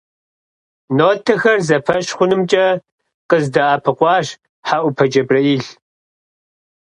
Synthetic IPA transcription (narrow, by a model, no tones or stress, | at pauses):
noːtʰɐxɐrzɐpʰɐɕχʷʊnɨmt͡ʃʼɐ | qəzdɐaːpʰɨqʷɑːɕ | ħaʔʷʊpʰɐd͡ʒɐbrɐiɬ